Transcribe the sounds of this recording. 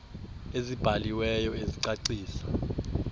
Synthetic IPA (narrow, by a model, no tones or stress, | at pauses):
ezib̥ʱaliwɛjɔeziǀaǀiːsḁ